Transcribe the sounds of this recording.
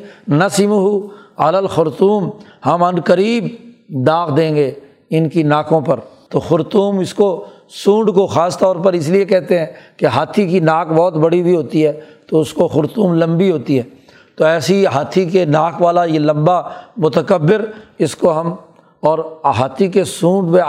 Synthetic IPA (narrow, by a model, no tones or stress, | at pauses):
nɐsimɦuɐ̰ləlxʊɾt̪uːmhɐmɐnkəɾiːb̚ | d̪aːkd̪ẽːŋɡe | ɪnkinaːkõpɐɾt̪oːxʊɾt̪uːmɪsko | sũːɳɖkoxaːst̪ɔːɾpɐɾɪs̬liekɛɦt̪eɦɛ̃ːkeɦaːt̪ʰikinaːkbɔːt̪bɐɽibʱiɦoːt̪iɦɛːt̪oʊskoxʊɾt̪uːmlɐ̃mbiɦoːt̪iɦɛː | t̪oɛːsiɦaːt̪ʰikenaːkʋaːlajelɐ̃mbamʊt̪əkəbːɪɾɪskoɦɐm | ɔːɾɦaːt̪ʰikesũːɳɖmẽ